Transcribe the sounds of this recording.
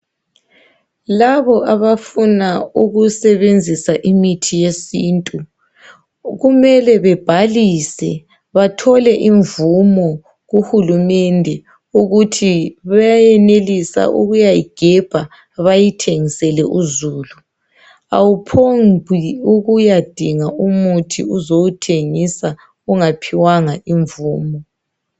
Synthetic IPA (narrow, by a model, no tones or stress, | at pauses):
laβɔʔaβafunauɣusɛβend͡zʱisaʔimitʰijesiːntʼu | ɣumɛlɛβɛb̥ʱalisɛ | βatʰɔlɛʔiɱvumɔ | ɣuxulumɛndʱɛ | uɣutʰiβajajɛnelisa̰ʔṵɣujajiɡ̥ʱɛb̥ʱa | βajitʰeŋisɛlɛʔuzuːlu | a̰wupʰombʱiuɣujad̥ʱiŋaumutʰḭuzowutʰeŋisa | uŋapʰiwaŋaiɱvuːmɔ